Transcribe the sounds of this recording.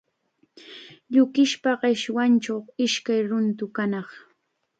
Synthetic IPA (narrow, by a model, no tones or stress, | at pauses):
ʎʊkɪʃpaɢɪʃwant͡ʃawɪʃkajɾʊnt̪ʊkanɑχ